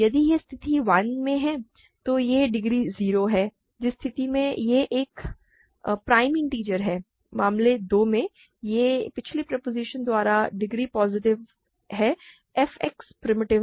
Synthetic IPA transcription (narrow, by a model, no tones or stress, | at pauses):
jɐd̪ijest̪ʰɪt̪iʋɐnmẽɦɛː | t̪ojeɖɪɡɾiziːɾoɦɛː | d͡ʒɪst̪ʰɪt̪imẽjeʔeːk | pɾaːɪmɪ̃ŋʈiːd͡ʒəɾɦɛː | maːmled̪oːmẽ | jepɪt͡ʃʰlipɾɐpoːzɪʃənd̪waːɾaɖɪɡɾipɔːzɪʈɪʋ | ɦɛː | ɛfɛkspɾɪmɪʈɪʋ